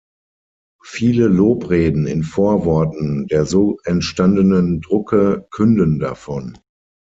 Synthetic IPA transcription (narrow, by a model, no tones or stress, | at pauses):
fiːləloːpʁeːdn̩ɪ̰nfoːɐvɔɐtn̩deːɐzoːʔɛntʃtandənəndʁʊkʰəkʰʏndəndafɔn